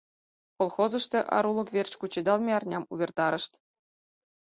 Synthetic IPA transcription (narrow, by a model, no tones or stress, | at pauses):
kolˠxozɤ̆ʂt̪ʲĕʔɑ̰ɾulˠɤ̆kʋʲerʲt͡ɕkut͡ɕed̪ɑlˠmʲeɑrnʲɑmuvʲĕrt̪ɑɾɤ̆ʂt̪ʲ